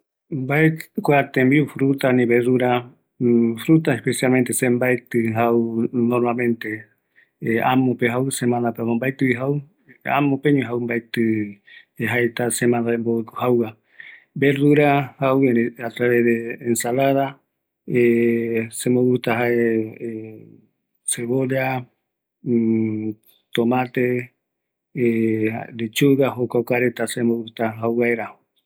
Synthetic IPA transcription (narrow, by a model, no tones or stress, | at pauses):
mbaekoat̪embiufɾut̪anĩβeruɾa | fɾut̪aespesijalment̪esembajt̪ɨɦawnoɾmalmẽnt̪e | amõpeɦawsemãnd̪apemombajt̪ɨβiɦaw | a̰mopeɲũɦawmbajt̪ɨ | eɦaet̪asemãnd̪aembout̪uhawa | beɾuɾahaweat̪ɾaβeðeːnsalaða | e | semoβut̪aɦae | seβolea | t̪omãt̪e | a̰d̪et͡ʃuɡaɦokaokaɾet̪asemowut̪aɦawβaeɾaho